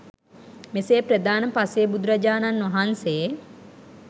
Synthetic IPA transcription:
meseːpɾəd̪aːnəpaseːbud̪uɾɐd͡ʒaːnanʋɐɦansee

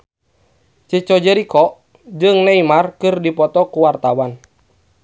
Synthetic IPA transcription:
t͡ʃət͡ʃɔd͡ʒɛɾikɔʔ | d͡ʒɨŋnɛimarkɨrdipɔt̪ɔkuwart̪awan

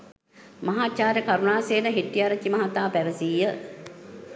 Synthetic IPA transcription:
mɐɦaːt͡ʃaːɾəkaɾunaːseːnəɦiʈːijaɾət͡ʃːimɐɦat̪aːpæʋəsiːjə

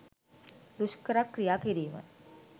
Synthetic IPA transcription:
d̪uʃkəɾakːrijaːkiɾiːmə̰

